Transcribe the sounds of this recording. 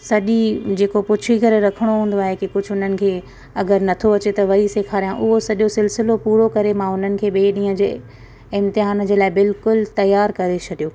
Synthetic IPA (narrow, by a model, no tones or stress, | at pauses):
sɐʄid͡ʑeːkopʊt͡ɕʰikɐɾɾɐkʰəɽ̃oɦũːn̆d̪oaːɦekikʊd͡ʑʱʊɦʊn̤ənɪ̆kʰeː | ɐɡəɾnɐt̪ʰoʋɐt͡ɕet̪ɐʋɐiseːkʰaːɾijãʔʊɦosɐʄosɪlsɪlopuːɾokɐɾemãʊn̤ənɪ̆kʰeːɓeːɗĩːə̃d͡ʑeː | ɪ̃mt̪ɪɦaːnd͡ʑeːlaːɪbɪlkʊlt̪ɐjaːɾkɐɾet͡ɕʰɐɗijoː